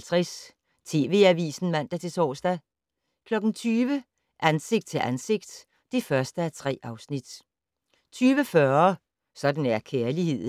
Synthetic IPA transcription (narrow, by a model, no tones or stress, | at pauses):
lt͡sʰʁɛs | t͡sʰe̝̰ːʋe̝ːæʋḭːsn̩mæn̰d̥æt͡sʰe̝sɒ̰ːsd̥æ | kʰlɒ̽ɡ̥n̩t͡sʰyːʋə | ʔænse̝ɡ̥d̥̚t͡sʰe̝lʔænse̝ɡ̥̚d̥ː | e̝fɶɐsd̥əæɐt͡sʰʁɛ̰ːʔɑ̈ʊsnid̥ | t͡sʰyːʋəfɶɐ | sɒ̽d̥n̩æɐkʰeɐlihe̝ð̰ˠ